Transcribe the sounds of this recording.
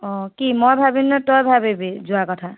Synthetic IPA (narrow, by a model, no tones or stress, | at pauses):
ɔ̃kimɔjbʱabinːɔtɔjbʱabebid͡ʒuakɔʈʰa